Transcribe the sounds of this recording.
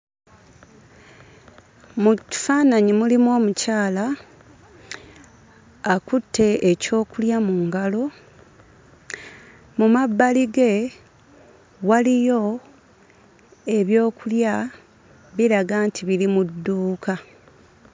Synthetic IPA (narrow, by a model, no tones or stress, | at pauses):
mufaːnaɲimulimwo̞ːmucaːla | kutʰːe̞eco̞ːkuljamuŋɡalo̞ | mumabːaliɡe̞ | walijo̞ | e̞βjo̞ːkulja | βiɾaɡaːntʰiβilimudːuːkʰa